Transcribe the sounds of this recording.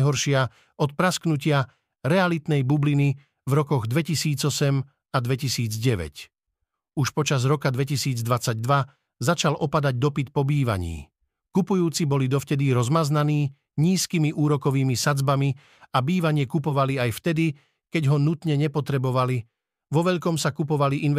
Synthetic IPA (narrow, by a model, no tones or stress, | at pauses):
ɦɔɾʃɪa | ɔt̪̚pɾasknucɪa | ɾɛalit̪nɛjbublini | vɾɔkɔɣd̪ʋɛcisiːd͡zɔsɛm | ad̪ʋɛcisiːd͡zɟɛʋɛ̰c | uʃpɔt͡ʃazɾɔkad̪ʋɛcisiːd͡zd̪ʋat͡saɟ̚d̪ʋa | zat͡ʃalʔɔpad̪aɟ̚d̪ɔpit̪̚pɔbiːʋa̰ɲḭː | kupujuːt͡sibɔlid̪ɔft̪ɛd̪iɾɔzmaznaniː | ɲiːskimiʔuːɾɔkɔʋiːmisad͡zbami | abiːʋaɲɪɛkupɔʋaliajft̪ɛd̪i | kɛɟɦɔnut̪ɲɛɲɛpɔt̪ɾɛbɔʋali | ʋɔʋɛʎkɔmsakupɔʋaliʔin